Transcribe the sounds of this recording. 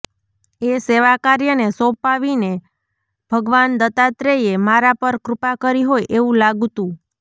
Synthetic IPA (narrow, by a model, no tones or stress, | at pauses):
eseʋakaɾjənesɔ̃paʋine | b̥ʱəɡʋand̪ət̪at̪ɾeemaɾapəɾkɾʊpakəɾiɦojʔeʋũlaɡt̪ũ